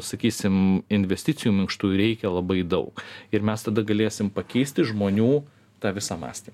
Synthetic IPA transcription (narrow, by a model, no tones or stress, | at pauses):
sɐkʲiːsʲɪmɪnʲʋʲɛsʲt̪ʲɪt͡s̪ʲɪjuːmʲɪŋkʃt̪uːjɾʲɛɪkʲɛlˠɐbɐɪd̪ɐʊkɪɾmʲɛst̪ɐd̪ɐɡɐlʲeːsʲɪmpɐkʲɛɪsʲt̪ʲɪʒmoːnʲuː | t̪ɑːʋʲɪsɑːmɑ̰ːsʲt̪ʲiːm